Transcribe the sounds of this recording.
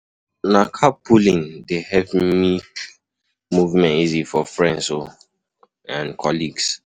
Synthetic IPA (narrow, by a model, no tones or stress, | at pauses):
nakʰapːulĩŋdehɛvmik | muvmɛ̃ntizifɔfɹɛ̃ndso | ãnkʰɔliɡs